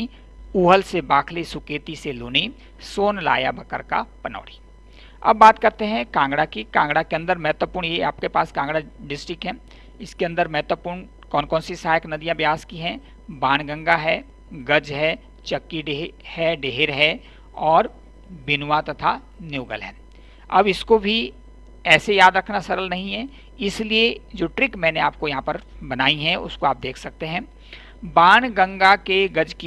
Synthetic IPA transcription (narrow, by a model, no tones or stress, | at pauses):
uːɦəlsebaːkʰlisʊkeːt̪iseluːni | soːnla̰ːjabɐkə̰ɾka̰pɐnɔ̰ːɽi | ɐ̰bːaːt̪kɐɾt̪eɦɛ̃kãːŋɡɽakikãːŋɡɽakeɐ̃nd̪əɾmɛːt̪wəpuːɾɳjea̰ːp̚kepaːskãːŋɡɽaɖɪsʈɾɪkɦɛ̃ː | ɪskeɐ̃nd̪əɾmɛɦːt̪wəpuːɾɳ | kɔːnkɔːnsisaːjəknɐd̪ijãbjaːskiɦɛ | baːñɡə̃ŋɡaɦɛ | ɡɐd͡ʒɦɛ | t͡ʃɐkːiɖehɛɖeːɦeɾɦɛ | ɔːɾ | bɪnwat̪ɐt̪ʰa | njuːɡəlɦɛː | ɐ̰bɪskobʱi | ɛːsejaːd̪ɾɐkʰnasɐɾəlnɐɦĩɦɛː | ɪslied͡ʒoːʈɾɪkmɛ̃ːneaːp̚kojɐɦãpɐɾbɐnaːiɦɛ̃ʊ̰skoaːp̚d̪eːkʰsɐk̚t̪eɦɛ̃ː | baːɽ̃ɡɐ̃ŋɡakeɡɐd͡ʒki